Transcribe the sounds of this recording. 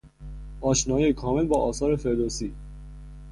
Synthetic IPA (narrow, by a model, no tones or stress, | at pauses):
ʔɒːʃnɒːjejkʰɒːme̞lbɒːʔɒːsɒːɾefe̞ɾd̪oːsiː